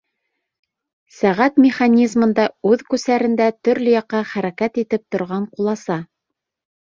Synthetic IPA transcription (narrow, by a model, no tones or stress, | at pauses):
sæʁæt̪mʲɪχanʲizmɤ̆nd̪ɑʉðkʉsæɾɘ̆nd̪æt̪ɵ̆ɾlɵjɑqːɑχæɾækæt̪it̪ɘp̚t̪ŏɾʁɑɴqulˠɑsɑ